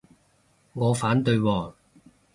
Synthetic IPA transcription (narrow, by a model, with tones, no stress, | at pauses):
ŋɔː˨˧faː˨˥nt̪ɵ˧ɥwɔː˧